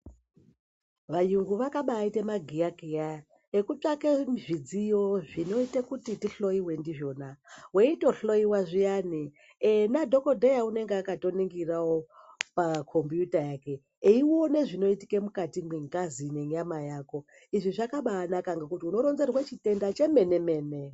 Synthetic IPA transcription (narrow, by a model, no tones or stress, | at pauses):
ʋajuŋɡuʋakaɓaːite̞maɡʱijakija | ekut͡ʂakemʐid͡zijo̞ʐino̞itekutitiɬo̞jiwe̞ndiʐo̞naweito̞ɬo̞iwaʐijani | nadʱo̞ko̞dejaune̞ŋɡeakato̞niŋɡirawopakʰo̞mbjutajake̞ | iwone̞ʐino̞iti̥kemukatimwiŋɡazineɲamajaːko̞ | iʐiʐakaɓaːnakaŋɡekutiuno̞ɾo̞nze̞rwet͡ʃite̞ndat͡ʃe̞me̞ne̞me̞ːne